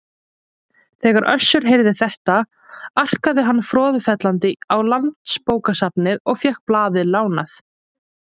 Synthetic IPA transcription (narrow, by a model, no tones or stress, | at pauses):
θɛːɣaɾʔœ̰sːʏɾ̥ɦejɾðɪθɛht̪a | ar̥kaðɪɦanːfɾɔːðfɛt̪lant̪ɪawlant̪spoːwkasapnɪðɔɣfjɛhkplaːðɪlaːwnaθ